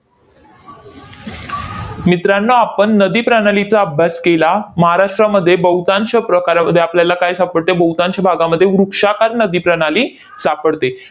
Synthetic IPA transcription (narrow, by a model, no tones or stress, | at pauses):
mit̪ɾanːəapəɳːəd̪iːpɾəɽalit͡saəbʱjaskelaməɦaɾaʂʈɾaməd̪ʱːjebəwt̪ãɲt͡ɕapɾəkaɾaməd̪ʱːjeapljalakajsapəɽt̪ebəwt̪ãɲt͡ɕabʱaɡaməd̪ʱːjeʋɾukʂakaɾnəd̪iːpɾəɽ̃aliː | sapəɽt̪e